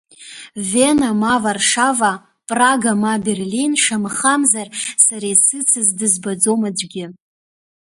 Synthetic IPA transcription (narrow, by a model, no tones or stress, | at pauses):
venamavarʂava | pʼraɡamaberlinʂamχamzarsaɾajsɨt͡sʰɨzdɨzbad͡zomad͡ʒʷɡʲɪ